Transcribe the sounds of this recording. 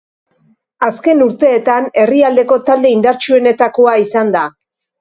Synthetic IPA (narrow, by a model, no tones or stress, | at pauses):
aske̞nuɾt̪e̞ːt̪ane̞riald̪e̞ko̞t̪ald̪e̞ind̪aɾt͡ʃue̞ne̞t̪ako̞aisand̪a